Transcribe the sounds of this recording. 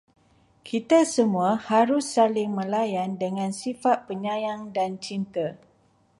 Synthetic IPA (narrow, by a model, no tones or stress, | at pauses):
kʰit̪asəmũahaɾʊsːalɪŋmə̃lajandəŋãnsifat̪̚pəɲãjaŋdant͡ʃint̪a